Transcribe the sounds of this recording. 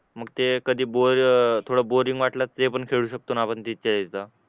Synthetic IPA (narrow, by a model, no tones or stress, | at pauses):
məɡt̪ekəd̪ʱiːboɾt̪ʰoɽaboɾiŋɡʋaʈlatt͡sepəɳkʰeɭuːɕək̚t̪oːnapəɳt̪it̪̚keld̪et̪a